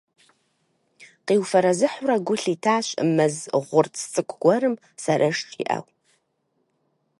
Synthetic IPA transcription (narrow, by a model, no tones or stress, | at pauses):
qiːwfɐɾɐzɨħʊrɐɡʷʊɬitʰaːɕʼə̰mɐzʁʷʊrtʰt͡sʼɨkʷʰʼɡ̥ʷɔɾɨm | sɐɾʔɐʂt͡ʃʼḭʔɐ̰w